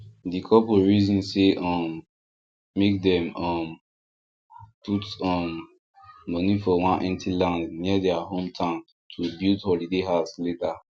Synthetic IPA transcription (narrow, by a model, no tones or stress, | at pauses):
dikʰɔpuɹizĩnseʔɔ̃mː | ek̚dɛ̃mɔ̃m | pʰutɔ̃nː | ɔnifɔwãnʔɛ̃ntʰilãndniədɛaɦõmtʰãn | tʰubildhɔlideɦaʊsleta